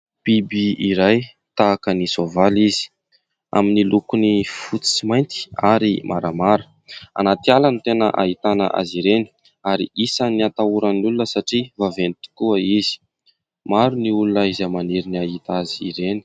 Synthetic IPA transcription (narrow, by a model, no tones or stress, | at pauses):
pibiiɾaj | t̪aːkənizovalizi̥ | a̰minilukunifut͡si̥t͡simajnt̪i̥aɾimʔaɾamaɾu̥ | a̰nat̪ialanit̪enəʔa̰ɦit̪anə̰ʔa̰ziɾeni̥ | aɾḭʔisaniat̪auɾənnulunəsaʈ͡ʂivavenit̪i̥kuəiz̥i̥ | maɾuniulunəizamaniɾiniaɦit̪aziiɾeni̥